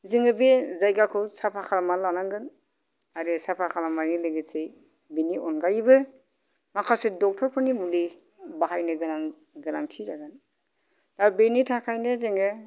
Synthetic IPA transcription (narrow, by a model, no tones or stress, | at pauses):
ziŋɯbezajɡakʰɯsapʰakʰalamalanaŋɡɯn | aɾɯsapʰakʰalamanilɯɡesej | beniɔnɡajbɯ | makʰasedɔk̚tʰɔɾpʰɯnimuli | baɦajnɯɡɯnaŋ | ɡɯlaŋtʰizaɡɯn | tabenitʰakʰajnɯzeŋɯ